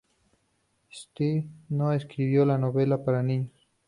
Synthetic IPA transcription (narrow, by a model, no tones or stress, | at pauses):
st̪inoeskɾiwjolanobelapaɾani